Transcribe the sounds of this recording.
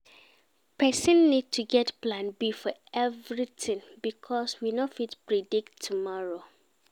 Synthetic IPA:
pʰɛsə̃nːid̚tʰuɡɛtplãnbifɔɛvɹitɪ̃nbikʰɔswinofitpɹidiktʰːumɔɹo

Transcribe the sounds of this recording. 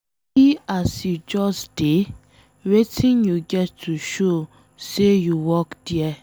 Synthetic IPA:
hiasjud͡ʒɔsd̥e | wetʰĩnjuɡɛtːuʃo | sejuwɔkd̥iɛ

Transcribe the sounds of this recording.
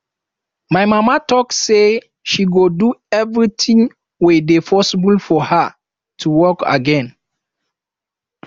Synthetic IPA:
majmamatɔkse | ʃiɡoduɛvɹitʰĩŋ | wedepʰɔsibulfɔha | tʰuwɔka̰ɡɛ̃n

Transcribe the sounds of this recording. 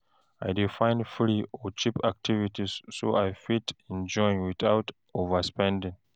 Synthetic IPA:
a̰jdifãɪ̃nfɹiɔt͡ʃipak̚tʰivitisːo̰ʔajfitĩnd͡ʒɔ̃ĩŋwiθawt | ovəspɛ̃ndĩŋ

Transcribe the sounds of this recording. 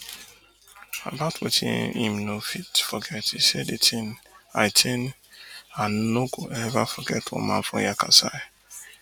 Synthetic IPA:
a̰baʊtʰwḛtʰḭ̃ḭ̃mnofitfɔɡɛtisedetʰĩnaɪtʰẽn | ãnːoɡoɛvafɔɡɛtwɔ̰̃mã̰nfɹɔ̰̃jakʰasaj

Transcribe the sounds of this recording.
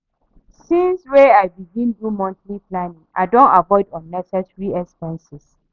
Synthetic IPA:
sĩnsweaɪbiɡĩndumɔ̃ntliplanĩŋa̰dõnavɔɪdɔ̃nːɛsɛsɹiɛkspɛ̃nsɪs

